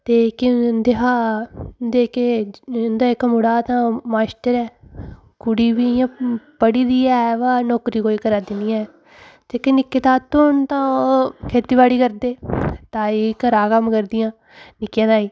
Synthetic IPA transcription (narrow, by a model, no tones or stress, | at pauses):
t̪eːkɪnd̪eɦaːd̪eːkend̪aːɪkːmʊɽaːt̪ãːmaːsʈəɾɛː | kʊɽiːʋijãːpəɽiːd̪iːɛːʋaːnoːkɾiːkoːiːkəɾaːd̪ɪnijãːɛː | t̪eːkenɪkːeːt̪aːt̪ʊnt̪ãːoːkʰeːt̪iːʋaːɽiːkəɾd̪eːt̪ãːikəɾaːkəmkəɾd̪ɪjãː | nɪkjãːt̪aːiː